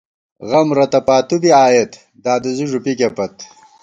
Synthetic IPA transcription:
ɣɐmɾɐt̪ɐpaːt̪ub̪iaːjet̪ | d̪aːd̪əziʐupikepɐt̪

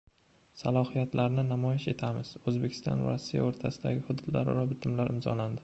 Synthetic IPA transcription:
salˠɒhijat̪laɾnɪnamɒjɪʃe̞t̪ʰamɪz̥ɵzbekʲʰɪ̥st̪ʰɒ̰nva̰ɾasːija̰oɾt̪ʰasɪd̪a̰ɡʲɪhʊd̪ʊd̪la̰ɾɪɾɒbɪt̪ʰɪmlaɾʔɪmzɒ̰land̪ɪ

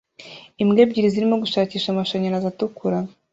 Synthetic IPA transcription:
imɡe̞ːbɟiɾiziɾimoɡuʃaːciːʃamaʃaɲanazatukuɾa

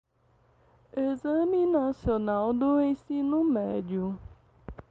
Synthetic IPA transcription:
ezamĩnasionawd̪ʊẽj̃sĩnʊmɛd͡ʒiʊ

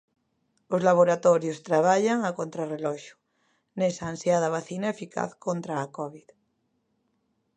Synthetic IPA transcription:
ozlaβ̞oɾat̪ɔɾjost̪ɾaβ̞aʎaŋakont̪ɾarelɔʃo̥ | nesaːnsjað̞aβ̞aθinaefika̰θkont̪ɾaːkɔβið

